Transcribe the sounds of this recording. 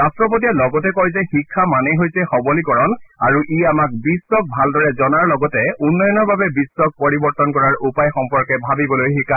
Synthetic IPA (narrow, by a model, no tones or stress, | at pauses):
ɹastɹɔpotijalɔɡɔtɛkɔjzɛxikʰːamaneɦojsɛxɔbɔlikɔɹɔnaɹuʔiamak̚bisːɔk̚bʱaldɔɹɛzɔnaɹlɔɡɔtɛunːɔjɔnɔɹbabɛbisːɔk̚poɹibɔɹt̪ɔnkɔɹaɹupajxɔmpɔɹkɛbʱabibɔlojxikʰːa